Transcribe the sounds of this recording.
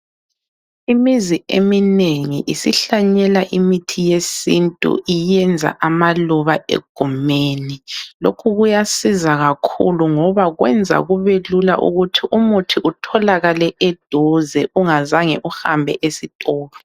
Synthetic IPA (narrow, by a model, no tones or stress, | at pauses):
imiziemineŋiʔisiɬaɲɛlaʔimitʰijesintʼṵijɛnd͡zʱa̰ʔamaluβaḛɡ̥ʱumeːnilokʰuɣujasizaɣakʰṵluŋɔβaɣwɛnd͡zʱa̰ɣuβelula̰ʔṵɣutʰiʔumutʰiʔutʰɔlaɣalɛʔɛd̥ʱɔzɛʔuŋazaŋɛʔuhambʱɛ̰ʔesitʼɔːlɔ